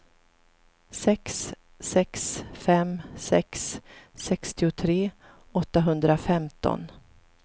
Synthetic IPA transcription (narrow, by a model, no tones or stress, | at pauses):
sɛks | sɛksfɛmsɛ̰kssɛkst̪ɪʊt̪ʰɾeː | ɔt̪ːaɦɵnd̪ɾafɛmt̪ɔ̰n